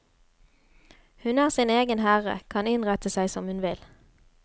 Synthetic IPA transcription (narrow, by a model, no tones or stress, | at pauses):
hʉnæːʁsiːneːɡənhæːʁə̰kʰɑnɪnʁɛt̪əsæɪsɔmhʉnʋɪl